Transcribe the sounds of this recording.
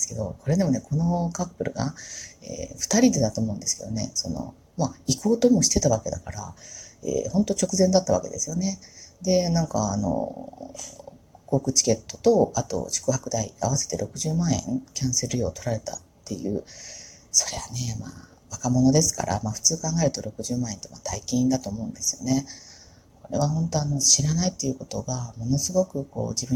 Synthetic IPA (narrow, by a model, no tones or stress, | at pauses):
sɨ̥ke̞d̪o̞ko̞ɾe̞d̪e̞mo̞ne̞kʰo̞no̞kapːɯ̟ɾɯ̟ɡa̰ḛːɸt̪aɾʲid̪e̞d̪at̪o̞ːmo̞ɯ̟̃nd̪e̞sɨ̥ke̞d̪one̞̰so̞no̞̰ | maiko̞ːt̪o̞mo̞ɕi̥t̪e̞t̪aβake̞d̪akaɾaḛːhõ̞nt̪o̞t͡ɕo̞kɯ̟zẽ̞nd̪at̪ːaβ̞ake̞̰d̪esɨjo̞ne̞d̪e̞nãŋkaːno̰ | ko̞ːkɯ̟t͡ɕi̥ke̞t̪ːo̞̥t̪o̞at̪o̞̰ɕɨ̥kɯ̟hakɯ̟d̪aia̰βase̞̥t̪e̞ɾʔo̞kɯ̟ʑɨːmãɰ̃ẽ̞̰ŋkʲãɰ̃seɾɯjo̞ːt̪o̞ɾaɾe̞t̪a̰t̪ʰːe̞jɯ̟̰ː | so̞̥ɾeβane̞ma̰ | βakamo̞no̞d̪e̞sɨ̥ka̰ɾʔa̰maːɸɯ̟̥t͡sɨːkãŋɡaeɾɯt̪o̞ɾo̞kɯ̟ʑɨːmãɰ̃e̞nt̪omat̪aikʲĩĩnd̪at̪o̞ːmo̞ɯ̟̃nd̪e̞sɨjo̞̰ne̞ | ko̞ɾe̞̰βahõ̞nt̪o̞ano̞ɕiɾanait̪ːe̞jɯ̟ko̞t̪o̞ɡamo̞no̞sɨɡo̞kɯ̟ko̞̰ːd͡ʑibɯ̟̃